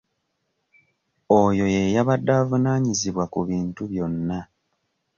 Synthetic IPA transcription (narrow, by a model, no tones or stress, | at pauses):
ojo̞je̞jaβadːaːvunaːɲiziβwakuβiːntuβjo̞nːa